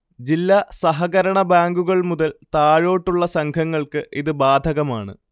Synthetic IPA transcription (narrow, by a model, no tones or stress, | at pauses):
d͡ʑilːɐsɐɦɐɣɐɾɐɳɐbaːŋɡuɣɐɭmuðɐlt̪aːɻo̞ːʈːuɭːɐsɐŋkʰɐŋːɐɭkɨʔiðɨbaːd̪ʱɐɣɐmaːɳɨ̰